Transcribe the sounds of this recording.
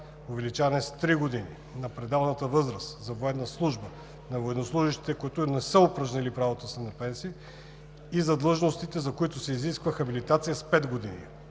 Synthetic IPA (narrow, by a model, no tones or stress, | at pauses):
ovɛlit͡ʃanɛst̪ɾiɡod̪ini | nɐpɾɛd̪avnət̪əvɤzɾəszɐvoɛnːəslˠuʒbə | nɐvoɛd̪oslˠuʒiʃt̪i̥t̪ɛkoit̪onɛsəopɾəʒnɛlipɾavot̪əsɛnɐpɛnsiə | izɐd̪lˠɤʒnost̪it̪ɛzɐkoit̪ʊsɛiziskvəxɐbilit̪at̪sijəspɛd̪ɡod̪inḭ